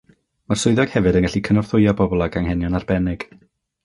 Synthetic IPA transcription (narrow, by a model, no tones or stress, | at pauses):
marsʊɨðɔɡ̥hɛvɨdənŋɡaɬikʰənɔr̥θʊjabɔbɔlˠaɡaŋɦɛnjɔnarbɛnɪɡ̥